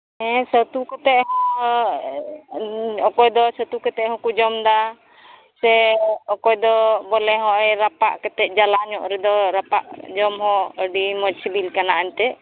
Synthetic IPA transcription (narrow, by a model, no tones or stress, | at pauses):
ɛ̃sət̪ukɛt̪ɛʔ̚ɦɔ̃ | ɔkɔjd̪ɔsɔt̪ukɛt̪ɛɦɔ̃kud͡ʒɔmd̪a | sɛɔkɔjd̪ɔbɔlɛɦɔ̃ʔɛjɾapaʔkɛt̪ɛʔ̚d͡ʒalaɲɔʔɾɛd̪ɔɾapa̰ʔd͡ʒɔmɦɔ̃əɖimɔd͡ʒsibilkanaʔaɲt̪ɛ